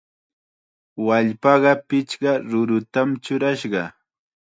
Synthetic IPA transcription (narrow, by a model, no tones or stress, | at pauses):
waʎpɑɢɑpɪt͡ʃɢɑɾʊɾʊt̪amt͡ʃʊɾaʃɢɑ